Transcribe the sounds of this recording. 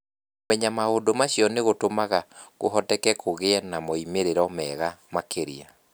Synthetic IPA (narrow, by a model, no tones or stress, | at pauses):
mɛɲamaondomaɕjɔneɣotomaɣaɣo̰ɦɔtɛkɛkʰoɣeɛnamɔimeɾeɾɔmɛɣamakʰeɾḭa